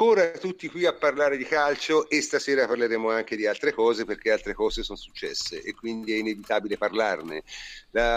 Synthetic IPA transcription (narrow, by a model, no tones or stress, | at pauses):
koːɾat̪ut̪ːikwiapːarlaːɾed̪ikalt͡ʃoʔest̪asɛːɾapaɾleɾeːmoaŋk̟ed̪ialt̪ɾekɔːzeperk̟ealt̪ɾekɔːzesonosut͡ʃːɛ̰sːḛʔekːwind̪iɛinevit̪aːbileparlarnela